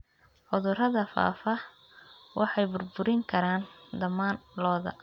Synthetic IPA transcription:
ħʊðʊrɐðɐfa̰ːfɐ | wʔɑħɑjbʊrbʊɾɪŋkʰɐɾaːnd̪ɐmaːnlɔːðɐ̰

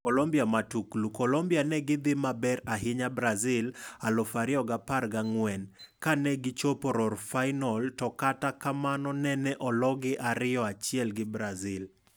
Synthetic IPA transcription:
kɔlombiamatuklukɔlombianɛɡɪd̪ɪmabɛɾaɦɪɲabɾazɪlalofaɾɪɔɡaparɡaŋwɛnkanɛɡɪt͡ʃopoɾɔrfaɪnɔltɔkatakamanɔnɛnɛʔɔlɔɡɪʔaɾɪɔat͡ʃjɛlɡɪbɾazɪl

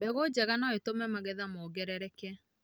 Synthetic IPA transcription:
bɛɣod͡ʑɛɣanɔetomɛmaɣɛðamoɡɛɾɛɾɛkɛ

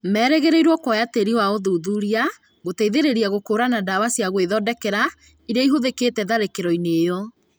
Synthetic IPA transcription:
mɛɾɛɣeɾeiɾwɔkɔjateɾiwaoðuðuɾia | ɣoteiðeɾeɾiaɣokoːɾanadawasiaɣweðɔdɛkɛɾa | iɾaiɦoðeketɛðaɾekeɾɔineːjɔ

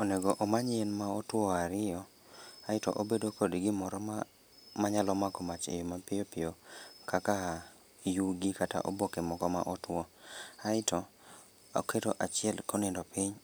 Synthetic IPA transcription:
ɔneɡɔʔomaɲɛnmaɔtwɔaɾɪjɔ | aɪtɔ̰ʔobedokodiɡɪmɔɾɔma | maɲalɔmakɔmat͡ʃḛjomapɪjopɪjokʰaka | juɡikata̰ʔobokɛmɔkɔma̰ʔɔtwɔaɪtɔ | kʰeto̰ʔat͡ʃɪɛlkonendɔpɪɲ

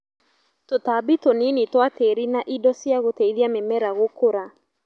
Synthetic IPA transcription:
totabitoninitwateɾinaʔidɔsjaɣoteiðiamemɛɾaɣokoɾa

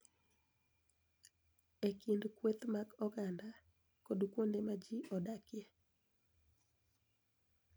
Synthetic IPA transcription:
ekindkwet̪maɡɔɡanda | kodkwondemad͡ʒiʔɔdakɪje

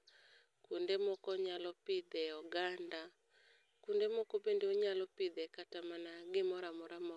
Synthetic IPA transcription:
kundemɔkɔɲalɔpɪd̪ɛɔɡanda | kundemɔkɔbendeoɲalɔpɪd̪ɛkatamanaɡɪmɔɾamɔɾamɔ

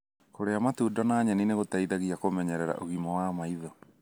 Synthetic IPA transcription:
koɾeamatuːdɔnaːɲɛnineɣotaiðaɣiakomɛɲɛɾɛɾa̰ʔoɣimɔwamaiðɔ

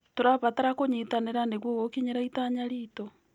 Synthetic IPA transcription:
toɾaβataɾakoɲitaneɾaneɣwoɣokiɲeɾaitaɲaɾito

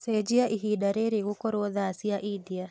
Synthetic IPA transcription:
sed͡ʒiaʔiɦiɗaɾeɾeɣukɔɾwɔðasiaʔidia

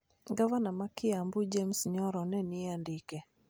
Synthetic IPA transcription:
ɡavanamakɪambʊd͡ʒemsɲɔɾɔnɛnɪandikɛ

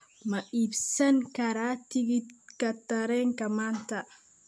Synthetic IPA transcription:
mɐʔibsɐŋkɐɾaːt̪ɪɡɪkɐt̪ːɐɾeːŋkɐmant̪aʔ

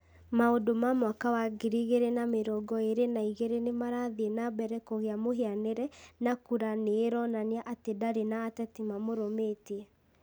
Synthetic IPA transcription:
maodomamwakawaɡiɾiɣeɾenameɾɔɡɔeɾenaiɣeɾenemaɾaðenabɛɾɛkoɣeamoɦeaneɾɛnakuɾaneːɾɔnaneaʔatedaɾenaːtɛtimamoɾomeːtiɛ

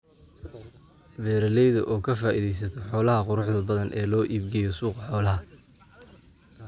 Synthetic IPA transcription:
bɛːɾɐlɛjðɐʔɔːkʰɐfaːʔiðɛjsɐt̪ʰɔħɔːlɐɦɐqʊɾʊħðɐbɐðɐnʔɛːlɔːʔiːbɡɛjɔsuːqɑħɔːlɐɦɐ

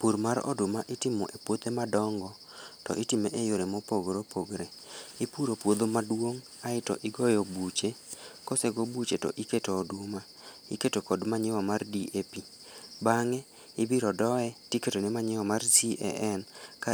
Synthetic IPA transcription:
puɾmaɾɔ̰dʊmaʔɪtɪmɔʔepwot̪emadɔŋɡɔ | tɔ̰ʔɪtimeʔejoɾemopoɡɾopʰoɡɾe | ipuɾopwod̪omadwoŋ | aɪtɔ̰ʔɪɡɔjɔbut͡ʃekoseɡobut͡ʃetɔ̰ʔiketoːdʊma | iketokɔdmaɲɪwamardiʔepi | baŋɛ | ɪbiɾɔdɔɛtiketonemaɲɪwamarsiɛ̰ʔɛnka

